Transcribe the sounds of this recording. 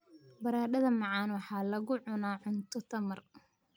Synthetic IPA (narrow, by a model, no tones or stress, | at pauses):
bɐɾaːɖɐðɐmɑʕɑːnwɑħɑːlɐɣʊʕʊnaːʕʊnt̪ʰɔt̪ʰɐmɐr